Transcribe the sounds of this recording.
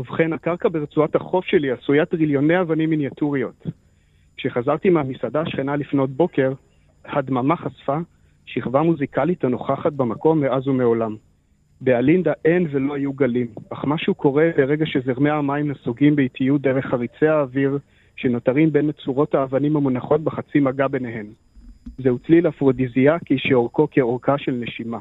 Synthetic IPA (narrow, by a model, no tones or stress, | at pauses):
uvχenakaʁkabeʁet͡suathaχo̞fʃe̞liasujatʁiljo̞ne̞javanimːinjatuʁio̞t | kʃe̞χazaʁt̪imeamisadaːʃχenalifno̞t̚bo̞ke̞ʁ | hadmamaχasfa | ʃiχvamuzikalithano̞χaχat̚bemako̞mːeʔazumeo̞lam | bealind̪aʔe̞nvelo̞hajuɡalimaχmaʃuukʰo̞ʁe̞be̞ʁe̞ɡaʃe̞zeʁmeamaimnasuɡimbeitʰijut̚d̪eʁe̞χhaʁit͡seaːviʁ | ʃeno̞taʁimbe̞nat͡suʁo̞taːvanimhamunaχo̞t̚beχat͡simaɡabe̞neɦe̞m | zeut͡slilafʁodiziakiʃeoʁkokeoʁkaʃe̞lneʃima